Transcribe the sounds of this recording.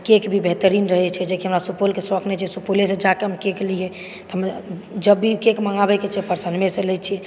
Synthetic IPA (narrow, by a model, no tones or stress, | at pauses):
kekbʱibeɦt̪əɾinɾəɦɛt͡ʃʰɛd͡ʒekiɦəmɾasupolkesɾɔkʰnɛt͡ʃʰɛsupolesẽd͡ʒakemkeklijɛ | t̪ɔɦmd͡ʒəbːikekməŋɡabɛket͡ʃʰɛpəɾsənmeselɛt͡ʃʰiɛ